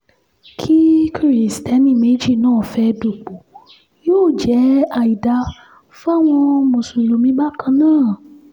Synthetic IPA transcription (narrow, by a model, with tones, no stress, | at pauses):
kʰi˦ki˦i˨stɛ˨˦nĩ˦˨me˨˦d͡ʒi˦˨nãː˦˨fɛ˧do˨k͡po˨ | joː˦˨d͡ʒɛ˨˦a˨ji˨da˨˦ | fa˦˨w̃ɔ̃˧mõ˨so˨jo˨mĩ˧˦ɡ͡ba˦kʰã˧nãː˦˨